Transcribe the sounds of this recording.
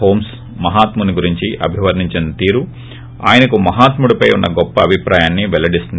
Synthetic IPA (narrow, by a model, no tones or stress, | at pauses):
ɦoːms | mɐɦaːt̪muniɡuɾiɲt͡ʃiʔɐ̰bʱiʋɐɾniɲt͡ʃinɐt̪iːɾu | a̰ːjɐnɐkumɐɦaːt̪muɽupɐjunːɐɡɔpːɐːbʱipɾaːjaːnːiʋɛlɐɽist̪und̪